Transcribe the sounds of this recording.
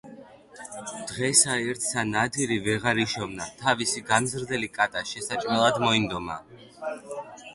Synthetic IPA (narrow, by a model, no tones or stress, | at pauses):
d̪̥ʁɛsaɛɾt̪ʰsanad̪iɾivɛʁaɾiʃɔvnat̪ʰavisiɡamzɾd̪ɛlikʼat̪ʼaʃɛsat͡ʃʼmɛlˠad̪mɔind̪ɔma̰